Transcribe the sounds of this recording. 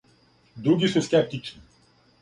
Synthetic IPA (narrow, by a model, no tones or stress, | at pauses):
d̪ɾuɡʲisɛsʲkʲɛp̚t̪it͡ʃni